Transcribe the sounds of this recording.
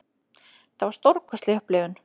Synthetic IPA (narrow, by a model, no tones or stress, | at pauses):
θavaɾ̥st̪oɾkʏ̥st̪lɪhplɪːɣʏn